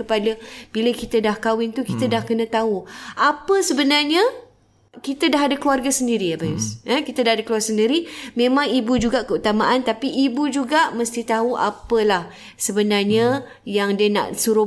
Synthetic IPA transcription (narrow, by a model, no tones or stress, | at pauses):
kəpadəb̥iləkit̪ədahkawɪnt̪ukit̪ədahkənə̃t̪auʔapəsəbənarɲə | kit̪ədaɦadakluarɡasəndiɾiabajusəkit̪ədahadakluarɡsəndiɾimẽmãŋibud͡ʒuɡaʔkəut̪amaʔant̪apiʔːbud͡ʒuɡaʔməst̪it̪aɦuʔa̰pəlah | səbənarɲə | jaŋdiana̰ʔsuɾʊ